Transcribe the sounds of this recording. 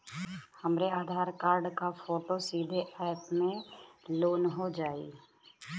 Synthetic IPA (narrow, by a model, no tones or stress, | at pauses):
həmɾeaːd̪ʱaːɾkaːɾɖkafʰoːʈosiːd̪ʱeʔɛːjpmẽloːnɦod͡ʒaːḭː